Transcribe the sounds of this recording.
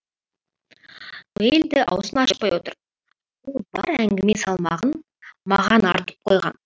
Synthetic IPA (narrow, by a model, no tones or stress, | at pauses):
eld̪ɪʔɑ̰wsənɑʃəq̚pɑjwo̞t̪əɾ | wolˠbɑɾæŋɡʲɪme̞sɑlˠmɑʁən | mɑʁɑnɑ̰ɾt̪ə̥p̚qʰojʁɑ̰n